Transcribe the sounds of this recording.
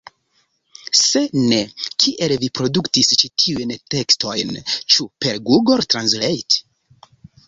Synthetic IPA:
se̞ne̞kʰiʔe̞lvipɾo̞duktist͡ʃitʰiujnte̞ksto̞̰jnt͡ʃupe̞ɾɡuɡo̞ɾtɾanslejt

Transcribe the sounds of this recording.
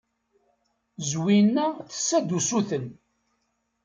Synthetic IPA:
zwinːæθə̥sːæd̪usuθən

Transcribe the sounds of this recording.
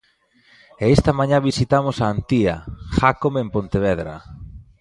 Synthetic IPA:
eest̪amãɲãβisit̪amosaːnt̪iaxakomempont̪eβeðɾa̰

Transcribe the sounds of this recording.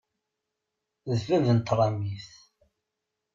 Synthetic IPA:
ðfævənt̪ːɾˤɑmiθ

